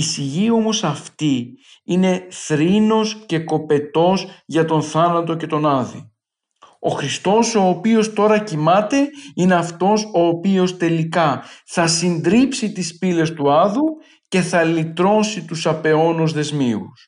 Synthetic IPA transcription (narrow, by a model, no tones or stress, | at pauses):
siʝio̞mo̞sɐft̪i | ine̞θɾino̞sce̞ko̞pe̞t̪o̞sʝɐt̪o̞nθɐnɐt̪o̞ce̞t̪o̞nɐðḭ | o̞xɾist̪o̞so̞ːpio̞st̪o̞ɾɐcimɐt̪e̞ine̞ɐft̪o̞so̞ːpio̞st̪e̞likɐθɐsind̪ɾipsit̪ispile̞st̪uɐðu | ce̞θɐlit̪ɾo̞sit̪usɐpe̞o̞nuzðe̞zmiṵs